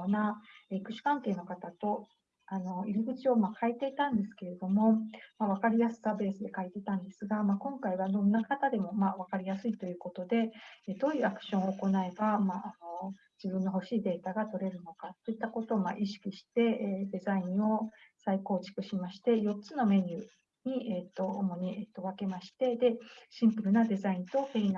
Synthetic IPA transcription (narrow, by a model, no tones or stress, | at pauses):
naikɯ̟ɕɨ̥kãŋke̞ːno̞kat̪at̪o̞ | ano̞iɾiɡɯ̟t͡ɕio̞makait̪e̞it̪ãnd̪e̞sɨ̥ke̞ɾe̞d̪o̞mo̞maβ̞akaɾʲijasɨ̥saːbe̞ːsɨd̪e̞kait̪e̞it̪ãnd̪e̞sɨɡamakõ̞ŋkaiβad̪õ̞nːakat̪ad̪e̞mo̞maβ̞akaɾʲijasɨit̪o̞jɯ̟ːko̞t̪o̞d̪e̞et̪o̞ːiɯ̟akɯ̟̥ɕõɰ̃oːko̞nae̞bamaːno̞ | d͡ʑibɯ̟̃nːo̞ɦo̞ɕiːd̪e̞ːt̪aɡat̪o̞ɾe̞ɾɯ̟no̞kat̪ːo̞it̪ːako̞t̪o̞ːma̰ʔiɕi̥kʲiɕi̥t̪e̞d̪e̞zaĩɰ̃o̞saiko̞ːt͡ɕi̥kɯ̟ɕimaɕi̥t̪e̞jo̞t͡sɨno̞me̞ɲ̟ʲɯː | ɲ̟iet̪ːo̞ːmo̞ɲ̟iʔet̪ːo̞βake̞maɕi̥t̪e̞d̪e̞ɕĩmpɯ̟ɾɯ̟nad̪e̞zaĩnt̪o̞kein